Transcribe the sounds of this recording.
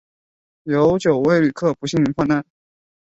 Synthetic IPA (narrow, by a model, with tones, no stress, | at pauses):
jo˧˥ʊt͡ɕjo˨˩ʊwe˥˩ɪly˨˩kʰɤ˥˩pu˧˥ɕi˥˩ŋni˧˥xwa˥˧na˥˩n